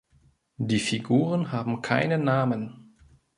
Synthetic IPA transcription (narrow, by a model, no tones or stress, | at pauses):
diːfiɡuːʁ̞ənɦaːbm̩kʰa̰ɪnənːaːmən